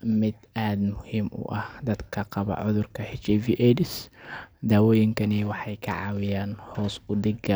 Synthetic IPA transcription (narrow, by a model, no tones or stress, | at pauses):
mɪd̪aːd̪mʊhiːmʔʊ̰ʔɐhd̪ɐd̪kʰɐqɑβɐ̰ʕʊ̰ðʊrkʰɐhɪt͡ʃɛviːʔɛdɪsd̪aːwɔːjɪŋkʰɐnɪwɑħɑjkʰɐ̰ʕɑːwɪjaːnhɔːsʊd̪ɪɡɐ